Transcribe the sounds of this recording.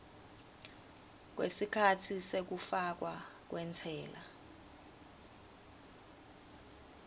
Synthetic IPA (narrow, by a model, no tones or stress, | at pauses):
k̬wḛsikʰatʰisek̬ufak̬wak̬wɛntʰɛːla